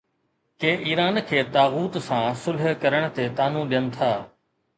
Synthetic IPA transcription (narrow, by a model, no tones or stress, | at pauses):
keːʔiːɾaːnkʰeːt̪aːɣuːt̪sãːsʊlɦkɐɾəɽ̃t̪eːt̪aːnũːɗɪjənt̪ʰaː